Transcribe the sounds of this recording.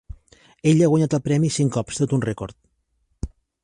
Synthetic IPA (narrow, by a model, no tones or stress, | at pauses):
eʎaɣwaɲat̪əlˠpɾɛmisiŋkɔpst̪ot̪unrekɔɾt̪̚